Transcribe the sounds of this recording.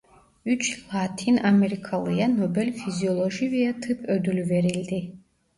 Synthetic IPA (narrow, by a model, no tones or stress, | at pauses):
yt͡ʃʰlˠatʰinameɾikʰalˠɨjanobɛlʲfiziɔlˠoʒivijatʰɨpʰød̪ylveɾild̪i